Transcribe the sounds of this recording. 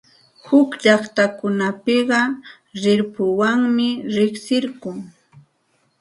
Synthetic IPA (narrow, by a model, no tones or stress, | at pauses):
hʊkʎɑχt̪akʊnapɪɢɑ | ɾɪɾpʊwaŋmɪɾɪksɪɾkʊŋ